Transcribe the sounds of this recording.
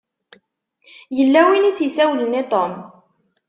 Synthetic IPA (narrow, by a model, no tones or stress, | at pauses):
jəlːæwinisjisæwlənit̪ˤom